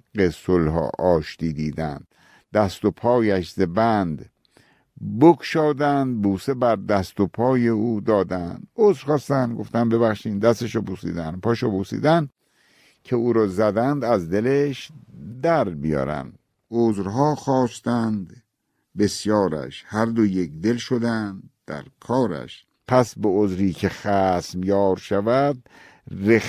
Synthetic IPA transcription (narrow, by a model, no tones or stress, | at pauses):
ɢesolɦɒ̰ːʔɒːʃt̪iːd̪iːd̪æ̰nd̪̥ | d̪æst̪opʰɒːjæʃzebænd̪ | bokʰʃɒːd̪ænd̪̚buːsebæɾd̪æst̪opʰɒːjeuːd̪ɒːd̪ænd̪ozɾxɒːst̪ænd̪ɡoft̪ænbe̞βæxʃiːnd̪æst̪eʃɔbusḭːd̪ænpʰɒːʃɔbusḭːd̪æn | kʰeuːɾɒːzæd̪ænd̪æzd̪e̞leʃd̪æɾbijɒ̰ːɾæ̰nd̪ | ozɾɦɒːxɒːst̪ænd̪ | besjɒːɾæ̰ʃhæɾd̪ojekd̪elʃod̪ænd̪d̪̥æ̰ɾkʰɒːɾæ̰ʃ | pʰæsbeozɾiːkʰe̞xæsmjɒːɾʃævæd̪̚ | re